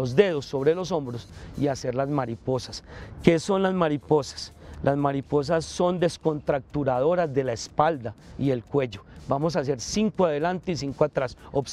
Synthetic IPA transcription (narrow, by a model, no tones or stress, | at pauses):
ozd̪e̞ðo̞sːo̞βɾe̞lo̞sõ̞mbɾo̞siase̞ɾlazmaɾipo̞saske̞so̞nlazmaɾipo̞sḁslʔazmaɾipo̞s̬asːo̞nd̪e̞sko̞nt̪ɾak̚t̪uɾaðo̞ɾazd̪e̞laespald̪aie̞lkwe̞ʝo̞bamo̞s̬as̬e̞ɾsiŋkoaðe̞lant̪eis̬iŋkoat̪ɾasops